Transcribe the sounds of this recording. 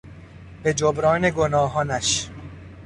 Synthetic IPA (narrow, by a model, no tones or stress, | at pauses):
be̞d͡ʒobɾɒːne̞ɡonɒːɦɒːnæʃ